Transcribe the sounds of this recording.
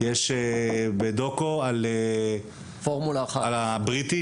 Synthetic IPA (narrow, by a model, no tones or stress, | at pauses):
jeʃebed̪o̞koale | foʁmulaːχalabʁit̪i